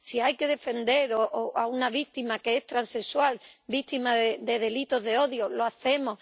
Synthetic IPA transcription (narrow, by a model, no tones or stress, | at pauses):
siajke̞ðe̞fe̞nd̪e̞ɾoʔoʔaunaβ̞ik̚t̪imakeest̪ɾanse̞swalbit̪imaðed̪e̞ðe̞lit̪o̞ɦðe̞o̞ðjolo̞aθe̞moh